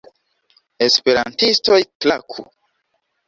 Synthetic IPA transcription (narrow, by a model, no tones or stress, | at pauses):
espeɾantisto̞jklakʰṵ